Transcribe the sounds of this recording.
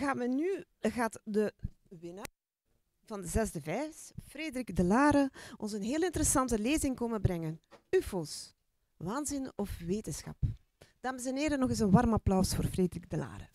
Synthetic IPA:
ɣaːməny | ɣaːtdə | ʋɪna | v̥ɑndəzɛzdəvɛːsfreːdəɾiɡdəlaːɾəɔnzənɦeːlɪntəɾəsɑntəleːzɪŋkoːmənbɾɛŋənyfoːs | ʋaːnzɪnɔfʋeːtənsxɑ̰p | d̥aːməs̬ɛneːɾənɔɣɪsənwɑrmɑplœwsfoːrfreːdəriɡ̚dəla̰ːɾə̰

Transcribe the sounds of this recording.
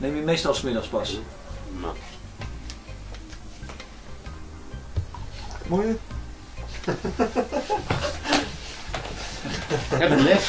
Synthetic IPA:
neməmejstɑlˠsmɪdɑχspɑs | mojə | ɦɛbəlɛf

